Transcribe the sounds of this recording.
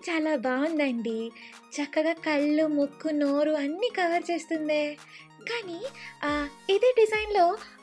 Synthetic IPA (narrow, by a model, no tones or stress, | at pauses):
t͡ʃaːlaːbaːɡund̪ɐɳɖi | t͡ʃɐkːɐɡaːkɐɭːumukːunoːɾuɐnːiːkɐʋɐɾt͡ʃe̞ːst̪und̪eː | kaːni | id̪e̞ːɖizɐjnlo̞ː